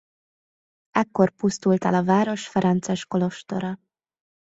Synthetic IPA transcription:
ɛkːo̞rpust̪ult̪ɛ̰lɒvaːɾo̞ʃfɛɾɛnt̪sɛʃko̞lo̞ʃt̪o̞ɾɒ

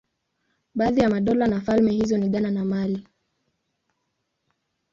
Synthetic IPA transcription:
ɓaːðijamaɗɔlanafalmɛhizɔniɠananamali

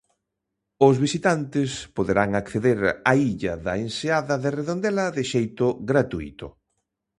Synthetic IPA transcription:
ʊzβisit̪ant̪ɪspoðeɾaŋakθeðeɾaiʎɐðɐenseaðɐðɪreðond̪ɛlɐðɪʃejt̪ʊɣɾat̪uḭt̪ʊ

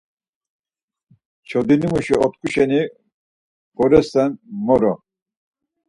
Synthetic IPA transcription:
t͡ʃʰɔd̪inimuʃiɔt̪kʼuʃɛni | ɡ̥ɔɾɛst̪ɛnmɔɾɔ

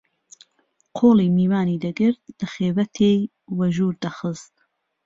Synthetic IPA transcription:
qʰoːliːmiːwaːniːd̪ɐɡɨɾt̪̚lɨxeːvɐt̪ʰej | wɐʒuːɾd̪axɨst̪̚

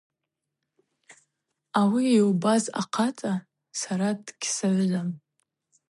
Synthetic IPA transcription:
awiewbaza̰qʰatʼa | saɾadɡʲsaɥʕʷam

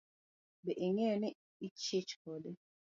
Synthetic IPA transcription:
bɛʔiŋɛnɪ | it͡ʃet͡ʃkɔdɪ

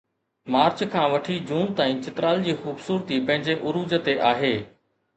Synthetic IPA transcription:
maːɾt͡ɕkʰãːʋɐʈʰid͡ʑũːnt̪aːĩt͡ɕɪt̪ɾaːld͡ʑiːxuːbsuːɾt̪ipɐ̃ɦɪ̃ɲd͡ʑeʔʊɾuːd͡ʑət̪eʔaːɦeː

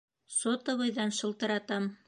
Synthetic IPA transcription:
sot̪ɤ̆βɤ̆jðɑnʃɤ̆lˠt̪ɤ̆ɾɑt̪ɑm

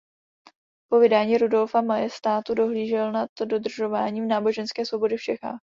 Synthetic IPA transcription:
po̞vɪdaːɲiːɾudo̞lfamajɛst̪aːt̪udo̞ɦliːʒɛlnat̪do̞d̪r̩ʒo̞vaːɲiːmnaːbo̞ʒɛnskɛːsvo̞bo̞dɪft͡ʃɛxa̰ːx

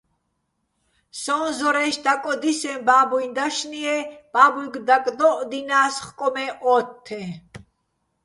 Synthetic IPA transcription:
sɔnzɔɾɛʃd̪akʼɔd̪isɛ̃mbaːbujnd̪aʃniɛb̥aːbulɡd̪akʼd̪ɔʔd̪inaːsχkʼɔmɛʔɔt̪ʰːɛ̃

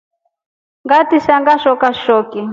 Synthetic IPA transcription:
ŋɡatiʃaŋɡaʃɔkaʃɔki

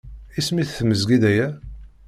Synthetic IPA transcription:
ismiθθməzɡid̪æjæ

